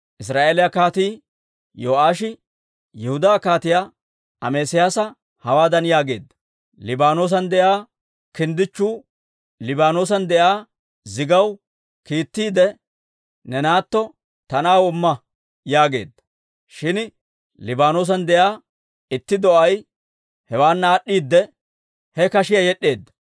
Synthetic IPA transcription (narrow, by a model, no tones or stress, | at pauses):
ʔɪs̬ɾaːʔeːlɪjɐkaːt̪iː | joːʔaːʃɪ | jɛhʊd̪aːkaːt̪ɪja | ɐmeːsɪjaːsɐ | hɐwaːd̪ɐnjaːɡe̞ːd̪ːɐ | lɪbaːno̞ːs̬ɐnd̪ɛjaː | kɪnd̪ɪt͡ʃːuː | lɪbaːno̞ːs̬ɐnd̪ɛʔaː | zɪɡɐw | kiːt̪ːiːd̪ɛ | nɛnaːt̪ːɔ | t̪ɐnaːwɔmːɐ | jaːɡe̞̰ːd̪ːɐ̥ | ʃɪn | lɪbaːnoːs̬ɐnd̪ɛjaː | ɪt̪ːɪd̪ɔʔɐj | hɛwaːnːaːɗːiːd̪ːɛ | hɛkɐʃɪjɐjɛɗːe̞ːd̪ːɐ̥